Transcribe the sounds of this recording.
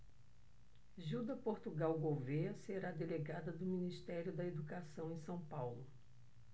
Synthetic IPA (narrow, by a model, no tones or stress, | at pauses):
ʒuwd̪ɐpoɾt̪uɡawɡoveɐseɾad̪eleɡad̪ɐd̪ʊminist̪ɛɾjʊd̪ɐed̪ukasɐ̃w̃ẽj̃sɐ̃w̃pawlʊ